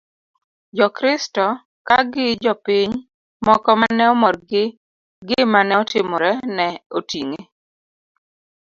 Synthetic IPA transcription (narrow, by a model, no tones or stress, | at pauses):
d͡ʒɔkɾɪstɔ | kaɡɪd͡ʒɔpiɲ | mɔkɔmanɛɔmɔrɡɪ | ɡɪmanɛɔtɪmɔɾɛnɛotiŋe